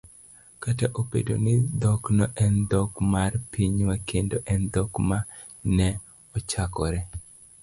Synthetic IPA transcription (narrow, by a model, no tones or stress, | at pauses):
kataʔopḛdo̰nɪd̪ɔknɔʔɛnd̪ɔkmarpʰiɲwakendoʔɛnd̪ɔkma | nɛ | ɔt͡ʃakɔɾɛ